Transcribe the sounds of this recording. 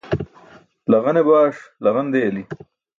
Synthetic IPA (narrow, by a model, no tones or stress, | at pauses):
lɐɣɐnebaːʂlɐɣɐnd̪ejɐli